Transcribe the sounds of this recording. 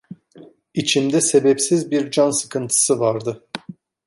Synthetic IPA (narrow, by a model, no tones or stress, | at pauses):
it͡ʃʰimd̪ɛse̞bɛpsizbiɾd͡ʒansɯkʰɯnt̪ʰɯ̥sɯvaɾd̪ɯ